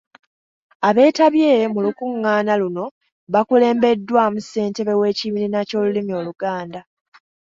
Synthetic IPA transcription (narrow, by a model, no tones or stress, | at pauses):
aβe̞ːtaβje̞ːmulukuŋːaːnaluno̞ | βakule̞ːmbe̞dːwaːmuse̞ːnte̞βe̞we̞ːciβilinaco̞ːlulimio̞ːluɡaːnda